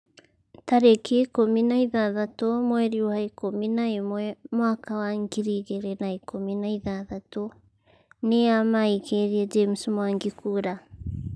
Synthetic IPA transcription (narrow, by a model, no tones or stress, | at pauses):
taɾekekominaiðaðatomwɛɾiwaikominaemwɛmwakawaŋɡiɾiɣeɾɛnaikominaiðaðato | neamaikeɾiɛd͡ʒemsmwaŋɡikuɾa